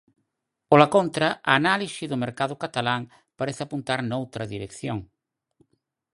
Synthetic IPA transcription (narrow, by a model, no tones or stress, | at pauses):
polakont̪ɾaʔaːnalisiðʊmeɾkaðʊkat̪alaŋ | paɾeθapunt̪aɾnowt̪ɾɐðiɾekθjoŋ